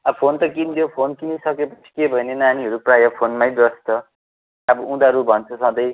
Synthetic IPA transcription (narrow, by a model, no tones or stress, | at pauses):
ʌpʰont̪ʌkint̪ʰjopʰonkinisʌkepʌt͡sʰi̥kebʱʌjnenaniɦʌɾuprajʌpʰonmajbʌst̪ʌ | ʌbʌũd̪aɾubʱʌnt͡sʰʌsʌ̃d̪ʌj